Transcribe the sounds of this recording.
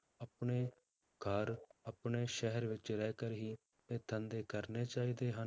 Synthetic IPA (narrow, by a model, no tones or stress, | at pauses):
əpɳeː | ɡʱəɾəpɳeːʃɛɦəɾʋɪt͡ʃɾɛːkəɾɦiː | t̪eːt̪ʰənd̪eːkəɾneːt͡ʃaːiːd̪eːɦən